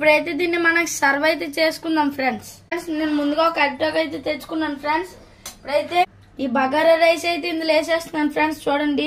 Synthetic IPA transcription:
puɽɐjt̪eːd̪iːnːimɐnɐki̥sɐɾʋɐjt̪eːt͡ʃeːsu̥kund̪aːmpʰɾeɳɖsɳsneːnːumund̪uɡaokɐʈ̚ʈoːkɐjt̪eːt̪et͡ʃːu̥kunːanpʰɾeɳɖs | ipuɽɐjt̪eː | iːbʱɐɡaːɾɐɾɐjsɐjt̪̬eind̪uleːseːst̪unːaːnipʰɾeɳɖst͡ʃuːɽɐɳɖi

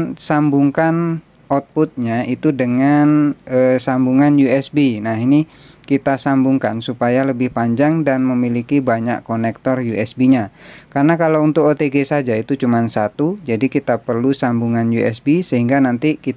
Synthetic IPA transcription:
sambuŋkan | ɔt̪̚put̪̚ɲait̪udəŋanəsambuŋanjuɛsbinaɦini | kit̪asambuŋka̰nsupajaləbɪhpaɲd͡ʒaŋdanməmilikibaɲa̰ʔkonɛk̚t̪ɔrjuʔɛsbiɲakarnakalaunt̪ʊkot̪eɡesad͡ʒait̪ut͡ʃumansat̪ud͡ʒadikit̪apərlusambuŋanjuɛ̰sbisəɦiŋɡanant̪iki

